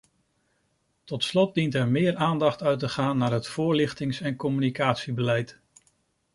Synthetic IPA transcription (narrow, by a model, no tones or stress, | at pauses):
tɔtslɔt̚dintɛɹmɪːɹaːndɑχtœɥtəχaːnːaːɹɦətfʊːɹlɪχtɪŋsɛnkɔmynikaːtsibəlɛjt